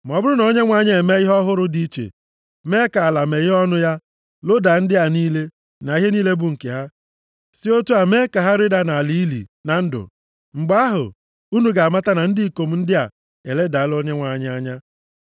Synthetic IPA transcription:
m˨ɔ˨bʊ˦ɾʊ˦nɔ˨˦ɲe˦ŋʷa˦ɲa˦e˨me˦ɪ˦ɦɔ˦ɦʊ˦ɾʊ˦di˨i˦t͡ʃḛ˨ | me˦ka˨la˨me˨ɣɪ˦ɔ˦nʊ˦ja˦ | lo˦da˨n̩˦dɪ˦a˨niː˦le˦ | na˨i˦ɦe˦niː˦le˦bu˨ŋ̩˨ke˨ɦa˦ | si˦o˦tu˦a˨me˦ka˨ɦa˦ɾɪ˦da˨na˨li˨i˦lḭ˨na˨n̩˦dʊ̰˨ | ŋ͡m̩˨ɡ͡ba˦a˦ɦʊ̰˨ | u˦nu˨ɡa˨ma˦ta˦na˨n̩˦dɪ˦i˨ko˨m̩˦n̩˦dɪ˦a̰˨ | e˨le˦da˨˦lo˦ɲe˦ŋʷa˨ɲa˦a˦ɲa˦

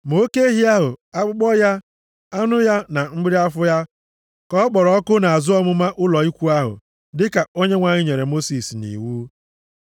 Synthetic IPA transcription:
m˨o˦ke˦e˦ɦi˦a˦ɦʊ˨a˦k͡pʊ˦ɡ͡bɔ˦ja˦ | a˦nʊ˦ja˦na˨m̩˦ɡ͡bɪ˦ɾi˦a˦fʊ˦ja˦ | kɔ˦ɡ͡bɔ˨ɾɔ˦ɔ˦kʊ˦na˨a˨zʊ˦ɔ˦mʊ˦ma˦ʔʊ˦lɔ˨i˦kʷu˦a˦ɦʊ̰˨ | dɪ˦ka˨o˦ɲe˦ŋʷa˨ɲɪ˦ɲe˨ɾe˨mo˦si˨snḭ˨wuː˦

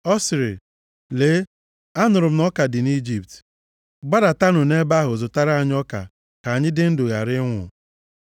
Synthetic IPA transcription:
ɔ˦sɪ˨ɾɪ̰˨ | leː˨˦ | a˦nʊ˨ɾʊ˨m̩˦nɔ˦ka˨dɪ˨ni˦d͡ʒi˨pt | ɡ͡ba˦da˨ta˦nʊ˨ne˦ba˦ɦʊ˨zʊ˨ta˦ɾa˦˨ɲ˦ɔ˦ka̰˨ | ka˨ɲɪ˦dɪ˦n̩˦dʊ˨ɣa̰˨ɾɪ˦ŋʷʊ̰˨

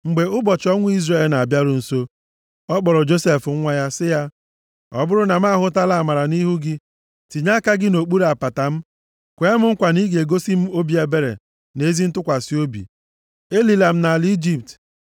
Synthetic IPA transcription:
ŋ͡m̩˨ɡ͡be˨ʊ˦bɔ˨t͡ʃɔ˦ŋʷʊ˦i˦zre˦˨lna˨bja˦ɾʊ˨n̩˨so˦ | ɔ˦k͡pɔ˨ɾɔ˨d͡ʒo˦se˨fŋ̩˦ŋʷa˦ja˦sɪ˦ja˦ | ɔ̰˨bʊ˦ɾʊ˦na˨m̩˦a˦˨ɦʊ˦ta˦la˦a˨ma˨ɾa˨ni˦ɦu˦ɡɪ˦ | ti˨ɲa˦ka˦ɡɪ˦no˨k͡pu˦ɾa˨pa˨ta˨m̩˦ | kʷe˨˦e˦mʊ˦ŋ̩˦kʷa˨ni˦ɡe˨ɡo˦si˦m̩˦o˦bi˨˦e˨be˦ɾḛ˨ | ne˦zi˦n̩˦tʊ˦kʷa˨si˦o˦bḭ˨ | e˦li˨la˨m̩˦na˨li˦d͡ʒi˦p̚t

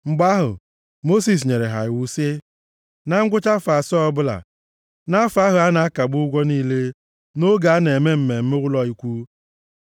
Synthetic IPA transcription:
ŋ͡m̩˨ɡ͡ba˦ɦʊ̰˨ | mo˦s̬i˨s̬ɲe˨ɾe˨ɦa̰˨ɪ˨wu˦sɪ˦ | na˦ŋ̩˦ɡʷʊ˦t͡ʃa˦fa˨sɔ˦ɔ˦bʊ˦la̰˨ | na˦fa˦ɦʊ˨a˦na˨a˦ka˨ɡ͡bʊ˦ʊ˦ɡʷɔ˦niː˦le˦ | no˦ɡa˨a˦ne˨me˦m̩˨me˨m̩˦me˦wʷʊ˦lɔ˦i˦kʷu˦

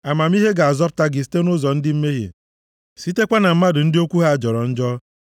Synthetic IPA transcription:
a˨ma˨mi˦ɦe˦ɡa˨a˨zɔ˦p̚ta˦ɡɪ˨s̬te˦nʊ˦zɔ˨n̩˦dɪ˦m̩˦me˦ɦḛ˨ | si˦te˦kʷa˦na˨m̩˦ma˦dʊ˨n̩˦dɪ˦o˦kʷu˦ɦa˦a˨d͡ʒɔ˨ɾɔ˨n̩˦d͡ʒɔ˦

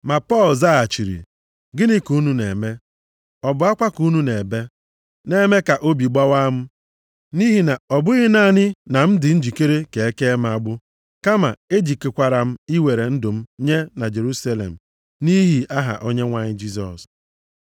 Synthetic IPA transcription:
ma˨pɔ˦˨lza˦a˨t͡ʃi˨ɾḭ˨ | ɡɪ˦nɪ˦ku˦nu˦ne˨me˦ | ɔ˨bʊ˦a˦kʷa˦ku˦nu˦ne˨be˦ | ne˦me˦ka˨ʔo˦bi˨ɡ͡ba˦wa˦m̩˦ | ni˦ɦi˨na˨ɔ˨bʊ˦ɣɪ˦na˦˨ɲɪ˦na˨m̩˦dɪ˨n̩˦d͡ʒi˨ke˦ɾe˦ke˨e˦ke˦m̩˦a˨ɡ͡bʊ˦ | ka˦ma̰˨e˦d͡ʒi˨ke˨kʷa˨ɾa˨m̩˦i˦we˨ɾe˨n̩˦dʊ˨m̩˦ɲe˦na˨d͡ʒe˨ɾu˦sa˦lḛ˨m̩˨ | ni˦ɦi˨a˦ɦa̰˨ʔo˦ɲe˦ŋʷa˨ɲɪ˦d͡ʒi˦s̬ɔ̰˨s

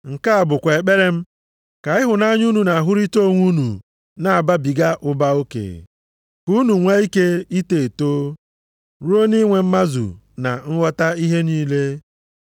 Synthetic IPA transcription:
ŋ̩˨ka˦a˨bʊ˨kʷe˨e˨k͡pe˦ɾe˦m̩˦ | ka˨ɪ˦ɦʊ˨na˦ɲu˦nu˨na˨ɦʊ˦ɾi˦to˦˨ŋʷu˦nṵ˨ | na˨a˨ba˦bi˨ɡa˦ʔʊ˦ba˦o˦kḛ˨ | ku˦nu˨ŋʷa˦i˦ke˦i˦te˨toː˦ | ɾu˦o˦ni˦ŋʷe˨m̩˦ma˦zṵ˨ | na̰˨ŋ̩˦wɔ˦ta˦i˦ɦe˦niː˦le˦

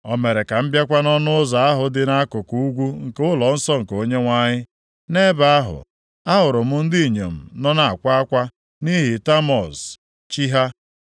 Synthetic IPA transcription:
ɔ˨me˨ɾe˨ka˨m̩˦bja˦kʷa˦nɔ˦nʊ˦ʊ˦za˨a˦ɦʊ˨dɪ˦na˦kʊ˨ku˦u˦ɡʷu˦ŋ̩˨kʊ˦lɔ˨n̩˦sɔ˦ŋ̩˨ko˨ɲe˦ŋʷa˦ɲɪ˦ | ne˦ba˦a˦ɦʊ̰˨ | a˦ɦʊ˨ɾʊ˨mʊ˦n̩˦di˦i˨ɲḛ˨m̩˨nɔ˦na˨a˨kʷa˦a˦kʷa˦ | ni˦ɦi˨ta˦mɔ˨s | t͡ʃi˦ɦa˦

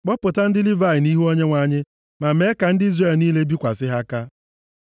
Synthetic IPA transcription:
k͡pɔ˦pʊ˨ta˦n̩˦dɪ˦li˦va˦˨ɪ˨ni˦ɦu˦o˦ɲe˦ŋʷa˨˦ɲɪ˦ | ma˨me˨˦ka˨n̩˦dɪ˦i˦zre˨lniː˦le˦bi˦kʷa˨sɪ˦ɦa˦ka˦

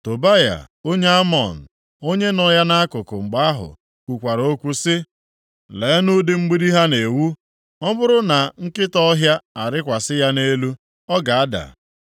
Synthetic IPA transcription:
to˨ba˦ja̰˨ | o˦ɲe˦a˦mɔ̰˨n̩˨ | o˦ɲe˦nɔ˦ja˦na˦a˦kʊ˨kʊ˨ŋ͡m̩˨ɡ͡ba˦a˦ɦʊ̰˨ | kʷu˨kʷa˨ɾo˦kʷu˦sɪ˦ | le˨˦nu˦dɪ˨ŋ͡m̩˦ɡ͡bi˦ɾi˦ɦa˦ne˨wu˦ | ɔ˦bʊ˦ɾʊ˦na˨ŋ̩˦kɪ˦tɔ˦ɦja˦a˨ɾɪ˦kʷa˨sɪ˦ja˦ne˦lu˦ | ɔ˦ɡa˨a˦da̰˨

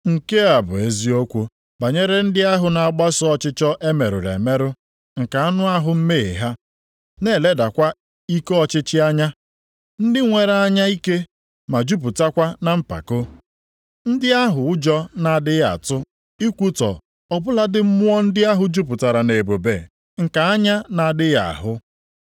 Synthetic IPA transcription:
ŋ̩˨ke˦a˨bʊ̰˨e˦zi˦o˦kʷo˦ | ba˨ɲe˦ɾe˦n̩˦dɪ˦a˦ɦʊ˨na˨a˨ɡ͡ba˦sɔ˦ɔ˦t͡ʃɪ˦t͡ʃɔ˦ʔe˦me˨ɾʊ̰˨ɾḛ˨me˦ɾʊ˦ | ŋ̩˨ka˨a˦nʊ˦a˦ɦʊ˨m̩˦me˦ḛ˨ɦa˦ | ne˦˨le˦da˨kʷa˦ | i˦kɔ˦t͡ʃɪ˦t͡ʃɪ˦a˦ɲa˦ | n̩˦dɪ˦ŋʷe˨ɾa˨a˦ɲa˦i˦ke˦ | ma˨d͡ʒu˦p̬u˨ta˦kʷa˦na˦m̩˦pa̰˨ko˦ | n̩˦dɪ˦a˦ɦʊ˨ʊ˦d͡ʒɔ˦na˨dɪ˦ja̰˨tʊ˦ | i˦kʷu˦tɔ̰˨ | ɔ˨bʊ˦la˦dɪ˦m̩˦mʊ˦ɔ˦n̩˦dɪ˦a˦ɦʊ˨d͡ʒu˦pʊ˨ta˨ɾa˨ne˨bo˨bḛ˨ | ŋ̩˨ka˨a˦ɲa˦na˨dɪ˦ja̰˨ɦʊ˦

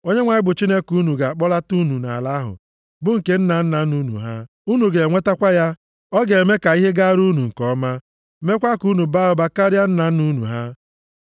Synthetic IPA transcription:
o˦ɲe˦ŋʷa˨ɪ˦bʊ˨t͡ʃi˦ne˦ku˦nu˨ɡa˨k͡pɔ˦la˦tu˦nu˨na̰˨la˦ɦʊ̰˨ | bʊ˦ŋ̩˨ke˦n̩˦na˨n̩˦na˨˦nu˦nṵ˨ɦa˦ | u˦nu˨ɡe˨ŋʷe˦ta˦kʷa˦ja˦ | ɔ˦ɡe˨me˦ka˨i˦ɦe˦ɡa˦ɾu˦nu˨ŋ̩˨kɔ˦ma˦ | me˦kʷa˦ku˦nu˨ba˦ʊ˨ba˦ka˦ɾja˦n̩˦na˨˦nu˦nṵ˨ɦa˦

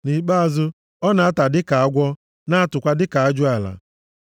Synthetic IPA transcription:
ni˨k͡pa˦a˨zʊ˦ | ɔ˦na˨a˦ta˨dɪ˦ka˨a˦ɡʷɔ˦ | na˦a˦tʊ˨kʷa˦dɪ˦ka˨a˦d͡ʒʊ˦a˨la̰˨

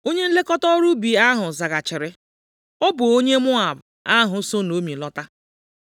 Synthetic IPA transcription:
o˦ɲe˦n̩˦le˦kɔ˦tɔ˦ɾu˦bi˨a˦ɦʊ˨za˨ɡa˨t͡ʃɪ˨ɾɪ˨ | ʊ˦bʊ˨o˦ɲe˦mʊ˦a˨ba˦ɦʊ˨˦so˦no˨˦mi˨lɔ˦ta˦

